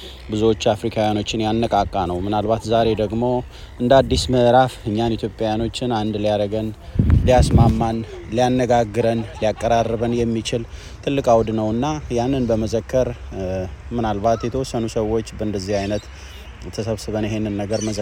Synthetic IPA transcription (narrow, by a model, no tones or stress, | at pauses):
bɨzuwo̞t͡ʃːafɾikʰawjano̞t͡ʃːɪnjanːəkʼakʼːanəwmɨnalbat̪zaɾe̞d̪əɡmo̞ | ʔɨnd̪ad̪ːisməʔɾafɨɲːanit̪ʰjo̞pʼjawjano̞t͡ʃːɪnand̪lijaɾəɡənlijasmamːanlijanːəɡaɡːɨɾənlijakʼːəɾarːəβənjɛmːit͡ʃɪl | t̪ʰɨlːɨkʼawd̪nəwɨnːajanːɨnbəməzəkːəɾ | mɨnalbat̪jɛt̪ʰəwosənusəwːo̞t͡ʃːbəɨnd̪əzːihajnət̪ | t̪ʰəsəβsɨβənjɛɦhe̞nːɨnːəɡəɾməzə